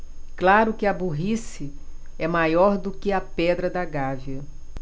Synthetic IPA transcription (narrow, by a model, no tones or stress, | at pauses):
klaɾʊkɪɐbuɦisɪ | ɛmajɔɾd̪ʊkɪɐpɛd̪ɾɐd̪ɐɡaviɐ